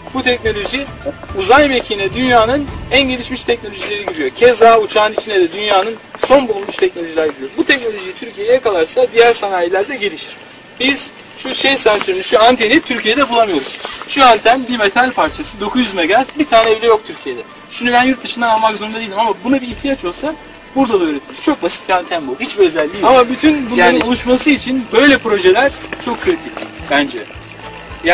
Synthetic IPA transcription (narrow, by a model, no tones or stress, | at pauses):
but̪ʰɛcno̞lʲo̞ʒi | uzajmecʰinɛd̪ynjaːnɯnænɟe̞lʲiʃmiʃt̪ʰɛc̚no̞lʲo̞ʒilʲe̞ɾiɟiɾijocʰezaːut͡ʃʰaːnit͡ʃʰinɛd̪ɛd̪ynjaːnɯnso̞nbulˠulmuʃt̪ʰɛcno̞lʲo̞ʒilʲaɾɟiɾʲijobut̪ʰɛc̚no̞lʲo̞ʒijit̪ʰyɾcʰijejɛkalˠaɾsad̪ijæɾsanaːjelʲæɾd̪ɛɟe̞lʲiʃiɾ̥ | biz̥ | ʃuʃejsænsyɾynyʃuant̪ʰenit̪ʰyɾcʰije̞d̪ɛbulˠamɯjo̞ɾuz̥ʃuant̪ʰænbimet̪ʰalʲpʰaɾt͡ʃʰasɯd̪o̞kʰuzyzmɛɡazbit̪ʰaːnɛːvlʲɛjo̞k̚t̪ʰyɾcʰije̞d̪ɛ | ʃimnd̪ybænjuɾt̪̚d̪ɯʃɯnd̪anjalmakzoɾund̪ad̪ijlʲd̪imamabunabiːht̪ʰijat͡ʃʰo̞lˠsa | buɾd̪ad̪aøːɾet̪ʰimizt͡ʃʰo̞k̚basi̥t̪̚biant̪ʰænbuhit͡ʃbiø̞zælʲːijamabyt̪ʰynbujˠaːiulˠuʃmasɯit͡ʃʰinbø̞jlʲɛpɾo̞ʒelʲæɾ̥t͡ʃʰo̞kʰːɾit̪ʰicʲbænd͡ʒɛ | ja